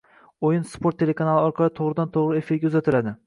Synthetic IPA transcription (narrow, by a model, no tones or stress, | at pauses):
ojɪnspʰoɾt̪ʰːe̞le̞kʰanalˠɪɒɾqʰɑlˠɪt̪ʰoʁɾɪd̪ant̪ʰoʁɾɪe̞fiɾɡʲaʊzat̪ʰɪlad̪ɪ